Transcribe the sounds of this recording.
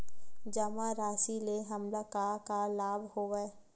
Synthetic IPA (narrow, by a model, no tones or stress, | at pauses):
d͡ʒəmãɾaːʃileɦɐmlakakalaːbʱhoːʋɛ